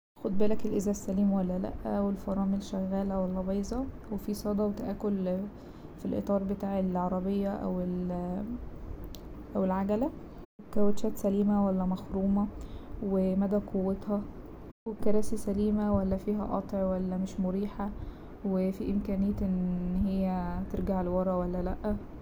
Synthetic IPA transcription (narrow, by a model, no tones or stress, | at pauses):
xod̪̚ˤbelækelʔezæːsːæliːmwælːælæ̰ʔwelfɑɾˤɑːmelʃæɣːæːlæwælːæbɑjzˤɑ | wefisˤɑːd̪ˤɑwet̪æʔæːkol | filʔḛt̪ˤɑːɾˤbet̪aːʕelʕɑɾˤɑbejːæʔæ̰wel | ʔæwelʕaɡælæ | wekæwæt̪ʃæːt̪sæliːmæwælːæmæxɾuːmɑwemæd̪æːkʰowːet̪hɑ | wekɑɾˤæːsisæliːmæwælːæfiːɦæ̰ʔɑ̰t̪ˤʕwælːæmeʃmoɾiːħæ | wefiʔemkæːnejːæt̪ʔenɦejːæt̪eɾɡaʕlwɑɾˤɑwælːælæʔːæ